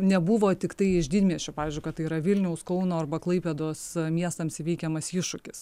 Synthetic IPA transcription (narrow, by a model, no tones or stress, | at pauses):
nʲɛbʊʋoːt̪ʲɪkt̪ɐɪɪʒd̪ʲiːd̪ʲmʲiɛsʃʲoːpɑːʋʲiːzʲd͡ʒʲʊɪkɐt̪ːɐɪiːɾɐʋʲɪlʲnʲɛʊskɐʊnoːɐrbɐklˠɐɪpʲeːd̪oːsmʲiɛst̪ɐmsɪʋʲɛɪkʲɛmɐsɪʃʊkʲɪs